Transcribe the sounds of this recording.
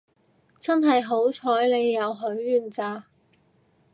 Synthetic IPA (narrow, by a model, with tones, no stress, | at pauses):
t͡sɐ˥nɦɐ˨jɦo˨˥wt͡sʰɔː˨˥jle˨˧jːɐ˨˧wɦɵ˨˥ɥːyː˨˩nt͡saː˧